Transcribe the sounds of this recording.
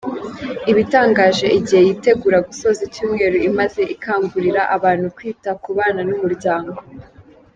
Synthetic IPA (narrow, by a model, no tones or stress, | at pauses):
iβitaːŋɡaːʒe̞ʔiɟihe̞jiːte̞ɡuɾaɡuso̞zicuːmŋe̞ːɾuimaze̞ʔikaːŋɡuɾiɾaʔaβaːn̥hukwiːtakuβaːnanumuɾɟaːŋɡo̞